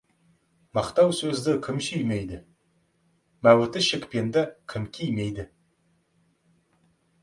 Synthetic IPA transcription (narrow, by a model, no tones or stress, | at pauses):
mɑqt̪ɑwsɵzd̪ɪkʲʰɪmsyjmejd̪ɪ | mæwɪt̪ɪʃɪkpe̞nd̪ɪkʲʰɪmkʲʰijmejd̪ɪ